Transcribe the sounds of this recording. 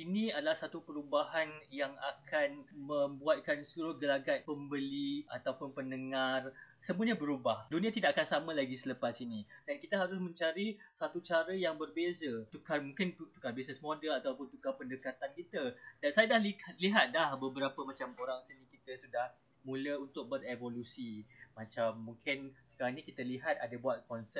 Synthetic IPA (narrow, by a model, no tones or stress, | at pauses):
inĩadalahsat̪upəɾubahanjaŋa̰kʰanmə̃mbuat̪̚kansəluɾʊhɡəlaɡat̪̚pəmbəliat̪awpʊnpənəŋar | səmbũəɲabəɾubahdunĩat̪idaʔakansamãlaɡisələpasinidankit̪əɦaɾʊsmə̃ɲt͡ʃaɾisat̪ut͡ʃaɾəjaŋbərbezət̪ukarmuŋkɪnt̪u̥karbisɛsmodəlat̪awpʊnt̪ukapəndəkat̪ankit̪ədansajadahliat̪̚liɦat̪̚dahbəbəɾapəmat͡ʃamoɾaŋsənĩkit̪əsudah | mũləunt̪ʊk̚bəɾevolusimat͡ʃamːuŋkɪnsə̥kaɾaŋnĩkit̪əliɦat̪adabuat̪̚kɔnsɛp̚